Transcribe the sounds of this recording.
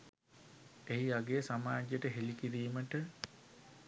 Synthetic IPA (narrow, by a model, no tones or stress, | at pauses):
eɦiaɡejsamaːd͡ʒjeʈəɦelikiɾiːməʈə